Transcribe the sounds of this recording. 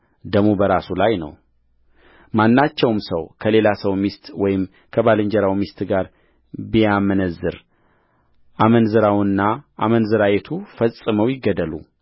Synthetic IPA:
d̪əmubəɾasulajnə̰w | manːat͡ʃːɛwmsəwkʰəle̞lasəwmist̪wɔjɪm | kʰəbalɨɲd͡ʒɛɾawmist̪ɡaɾ | bijamənəzːɨɾ | ʔamənzɨɾawnːaʔamənzɨɾajet̪ʰufəsʼɨməwjɪɡːəd̪əlṵ

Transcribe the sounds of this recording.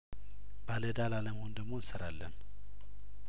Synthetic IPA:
baləd̪alaləməho̞nd̪əɡmo̞nsəɾalːən

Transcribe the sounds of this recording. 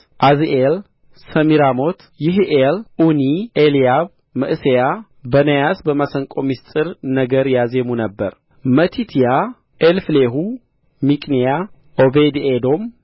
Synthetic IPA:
ʔazʔel | səmiɾamo̞t̪ʰ | jɪɦʔelʔunielijaβ | mɨʔɨseja | bənəjasbəmasəŋkʼo̞mist̪ʼɨɾnəɡəɾjazemunəbːəɾ | mət̪ʰit̪ʰija | ʔelfleɦu | mikʼnija | ʔobed̪ed̪o̞m

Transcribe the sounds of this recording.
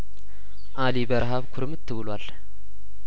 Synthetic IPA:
ʔalibəɾɦaβkʰʊɾmɨt̪ʰːɨβɨlwal

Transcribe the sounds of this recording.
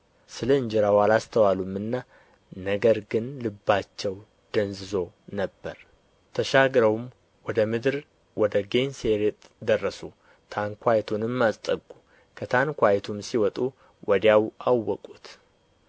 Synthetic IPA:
sɨləɨɲd͡ʒɛɾawalast̪ʰəwalumːɨnːa | nəɡəɾɡɨnlɨbːat͡ʃːɛw | d̪̥ənzɨzo̞ | nəbːəɾ | t̪ʰəʃaɡɾəwm | wɔd̪əmɨd̪ɾ | wɔd̪əɡe̞nseɾet̪ʼd̪ərːəsu | t̪ʰaŋkʰʷajt̪ʰunɨmːast̪ʼəɡːu | kʰət̪ʰankʷajt̪ʰumsiwɔt̪ʼu | wʔɔd̪jawʔawːɔkʼut̪

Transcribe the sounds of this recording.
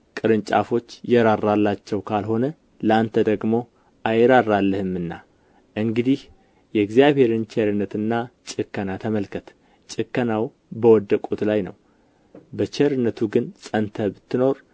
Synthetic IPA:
kʼɨɾɨnt͡ʃʼa̰fo̞t͡ʃːjɛɾaɾːalːat͡ʃːɛwkʰalho̞nə | ləant̪ʰəd̪əɡmo̞ | ʔajɛɾarːalːəhɨmːɨnːa̰ | ʔɨŋɡɨd̪ih | jɛɡzijaβhe̞ɾɨnt͡ʃʰeɾɨnːət̪ɨnːat͡ʃʼɨkːənat̪ʰəməlkʰət̪ʰ | t͡ʃʼɨkːənaw | bəwɔd̪ːəkʼut̪lajnə̰w | bət͡ʃeɾɨnːət̪ʰuɡɨnsʼənt̪ʰəbɨt̪ʰːɨno̞ɾ

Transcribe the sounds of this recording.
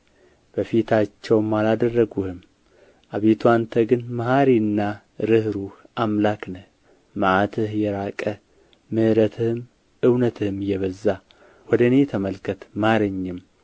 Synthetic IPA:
b̥əfit̪ʰat͡ʃːɛwmːalad̪ərːəɡuhɨm | ʔaβet̪ʰuant̪ʰəɡɨnməhaɾinːa | ɾɨhɾuhʔamlaknə | maʕat̪ʰɨhjɛɾakʼə | mɨhɾət̪ʰɨhɨm | ʔɨwnət̪ʰɨhɨmjɛβəzːa | wɔd̪əne̞t̪ʰəməlkʰət̪maaɾəɲːɪm

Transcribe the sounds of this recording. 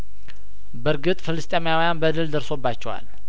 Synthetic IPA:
bəɾɡɨt̪ʼfɨlɨst̪ʼemjawijanbəd̪ɨld̪əɾso̞bːat͡ʃːɛwa̰l

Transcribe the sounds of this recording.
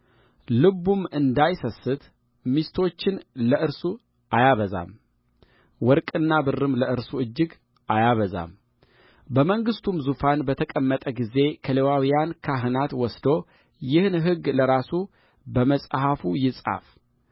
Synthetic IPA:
lɨbumɨnd̪ajsəsːɨt̪ | mist̪ʰo̞t͡ʃːɪnləʔɨɾsu | ʔajaβəza̰m | wɔɾkʼɨnːabɨrːɨmləʔɨɾsuɨd͡ʒːɪɡ | ʔajaβəza̰m | bəməŋɡɨst̪ʰumzufanbət̪ʰəkʼəmːət̪ʼəɡize̞kʰəlewawijankʰaɦɨnat̪wɔsd̪o̞ | jɪhnɦɨɡːləɾasu | bəməsʼɦafujɪsʼa̰f

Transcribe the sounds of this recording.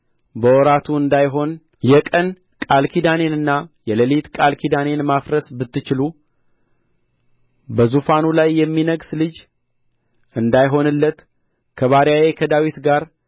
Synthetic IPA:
bəwɔɾat̪ʰuɨnd̪ajɦo̞n | jɛkʼən | kʼalkʰid̪ane̞nɨnːajɛləlit̪kʼalkʰid̪ane̞nmafɾəsbɨt̪ːɨt͡ʃɪlu | bəzufanulajːɛmːinəɡslɨd͡ʒ | ʔɨnd̪ajɦo̞nɨlːət̪ | kʰəβaɾjajekʰəd̪awit̪ɡaɾ

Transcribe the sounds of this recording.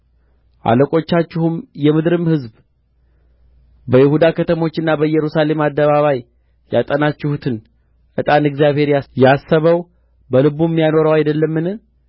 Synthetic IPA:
ʔa̰ləkʼo̞t͡ʃːat͡ʃːɪhumjɛmɨd̪ɾɨmhɨzb | bəjɪhud̪akʰət̪ʰəmo̞t͡ʃːɪnːabəjɛɾusale̞mad̪ːəβaβaj | jat̪ʼənat͡ʃːɪhut̪ʰɨn | ʔɨt̪ʼanɨɡzjaβhe̞ɾjajasːəβəw | bəlɨβumːijano̞ɾəwajd̪əlːəmːɨn

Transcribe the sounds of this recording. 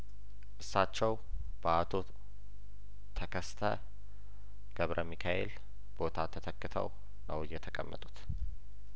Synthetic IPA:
ʔɨsːat͡ʃːɛw | b̥əat̪ʰo | t̪ʰːəkʰəst̪ʰə̰ | ɡ̥əβɾʔəmikʰaʔḛl | b̥o̞t̪ʰat̪ʰːət̪ʰəkːɨt̪ʰə̰w | nəwɨjːɛt̪ʰəkʼəmːə̰t̪ʼu̥t̪

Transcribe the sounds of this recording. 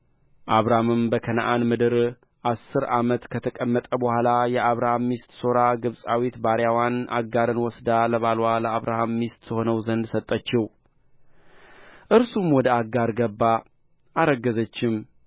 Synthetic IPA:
ʔaβɾamɨmbəkʰənaʔanmɨd̪ɨɾ | ʔasːɨɾamət̪kʰət̪ʰəkʼəmːət̪ʼəbəhʷalajɛʔaβɾahamːist̪ʼso̞ɾaɡɨβsʼawit̪baɾjawanʔa̰ɡːaɾɨnwɔsd̪aləβalwaləaβɾahamːist̪ʼsʰəho̞nəwzənd̪sət̪ʼːət͡ʃːɪw | ʔɨɾsumwɔd̪əaɡaɾɡəbːa | aɾəɡːəzət͡ʃːɪm

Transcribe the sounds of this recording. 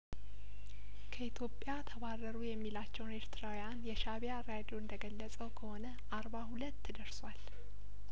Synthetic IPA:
kʰəit̪ʰjo̞pʼjat̪ʰəβarəɾujɛmːilat͡ʃːɛwne̞ɾt̪ʰɨɾawujanjɛʃaβijaɾad̪ioɨnd̪əɡəlːəsʼəwkʰəhonə | ʔaɾbahulət̪ːɨd̪əɾswal

